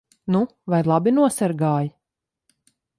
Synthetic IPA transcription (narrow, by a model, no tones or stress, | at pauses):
nu | vajlˠɑbinuɔsaɾɡɑːj